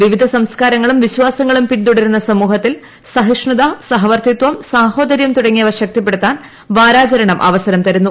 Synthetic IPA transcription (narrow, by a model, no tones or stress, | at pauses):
ʋiʋid̪ʱɐsɐmskaːɾɐŋːɐɭumʋiɕwaːsɐŋːɐɭumpiʈt̪uɽɐɾunːɐsɐmuːɦɐt̪ːil | sɐɦiʂɳud̪asɐɦɐʋɐrt̪it̪ʋɐmsaːho̞ːd̪ɐɾjɐmt̪uɽɐŋːijɐʋɐrɕɐk̚t̪ip̬ːeɽut̪ːaːn | ʋaːɾaːt͡ɕɐɾɐɳɐmʔɐ̰ʋɐsɐɾɐmt̪ɐɾunːu